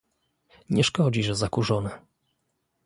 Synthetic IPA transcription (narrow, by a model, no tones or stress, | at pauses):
ɲɛʂkɔd͡ʑiʐɛzakuʐɔnɛ